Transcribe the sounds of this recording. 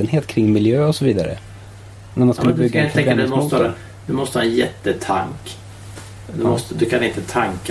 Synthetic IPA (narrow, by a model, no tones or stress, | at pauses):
ənɦeːt̪kʰɾɪŋːmɪljøːɔsɔviːd̪a̰ɾə̰ | næɾmanskɵnːbʏɡːaɛɛmɔsə | d̪ɵmɔst̪əhaɛnjɛt̪ːət̪ʰa̰ŋk | d̪mɔst̪əd̪ɵkʰanɪnt̪ət̪ʰaŋk